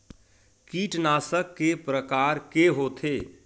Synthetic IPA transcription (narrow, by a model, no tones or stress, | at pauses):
kiːʈnaːsəkːepɾəkaːɾkeɦoːt̪ʰeː